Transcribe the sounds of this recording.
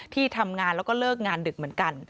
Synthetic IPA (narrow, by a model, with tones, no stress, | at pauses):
t̪ʰiː˥˩t̪ʰa˧mŋaː˧nlɛ˦˥wkɔː˥˩lɤː˥˩k̚ŋaː˧ndɯ˨˩k̚mɯ˩˦ənka˧n